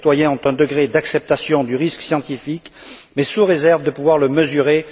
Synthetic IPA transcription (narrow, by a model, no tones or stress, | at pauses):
t̪wajɛ̃ɔ̃t̪ɛ̃d̪əɡʁed̪aksɛp̚t̪asjɔ̃d̪yʁisksjɑ̃t̪ifikmɛsuʁezɛʁvd̪əpuvwaʁləməzyʁe